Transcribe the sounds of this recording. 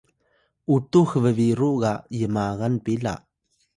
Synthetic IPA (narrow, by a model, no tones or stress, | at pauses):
ʔutuxəvəviɾuʔɣajəmaɣanpila̰ʔ